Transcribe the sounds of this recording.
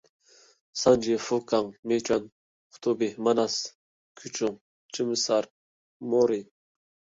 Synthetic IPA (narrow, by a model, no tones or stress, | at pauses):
sand͡ʒifukaŋmet͡ʃan | χʰʊ̥t̪ʰubimanas | kʰyt͡ʃuŋ | t͡ʃimɨsaɾ | moɾi